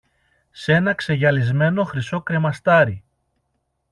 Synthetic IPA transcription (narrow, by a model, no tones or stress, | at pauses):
se̞nɐkse̞ʝɐlizme̞no̞xɾiso̞kɾe̞mɐst̪ɐɾi